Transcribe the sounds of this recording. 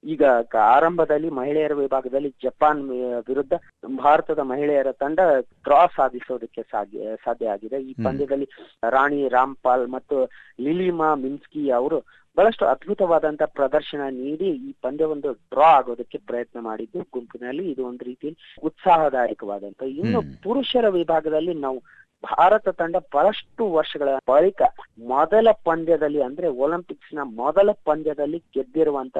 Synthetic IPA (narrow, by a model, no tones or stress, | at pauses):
iːɡɐaːɾɐmbʱɐd̪ɐlːimɐɦiɭɛjɐɾɐʋibʱaːɡɐd̪ɐlːid͡ʒɐpaːnʋiɾud̪ʱːɐ | bʱaːɾɐt̪ɐd̪ɐmɐɦiɭɛjɐɾɐt̪ɐɳɖɐʈɾaːsaːd̪ʱisoːd̪ɐkːesasaːd̪ʱjɐaːɡid̪eiːpɐnd̪ʱjɐd̪ɐlːiɾaːɳiɾaːmpaːlmɐt̪ːuliliːmaːminskiɐʋɐɾu | bʱɐɭɐʂʈuɐd̪bʱut̪ɐʋaːd̪ɐnt̪ɐpɾɐd̪ɐɾʃɐɳɐniːɽiiːpɐnd̪ʱjɐʋond̪uɖɾaːaːɡoːd̪ɐkːe̞pɾɐjɐt̪nɐma̰ːɽid̪ːuɡumpinɐlːiːd̪uond̪uɾiːt̪ijɐlːiut̪saːɦɐd̪aːjikɐʋa̰ːd̪ɐnt̪ɐinːupuɾuʂɐɾɐʋibʱaːɡɐd̪ɐlːinaːʋu | bʱa̰ːɾɐt̪ɐt̪ɐɳɖɐbʱɐɭɐʂʈuʋɐɾʂɐɡɐɭɐbɐɭikɐmɔd̪ɐlɐpɐnd̪ʱjɐd̪ɐlːiɐnd̪ɐɾe̞oːlimpiksnɐmɔd̪ɐlɐpɐnd̪ʱjɐd̪ɐlːiɡed̪ːiɾuʋɐnt̪ɐ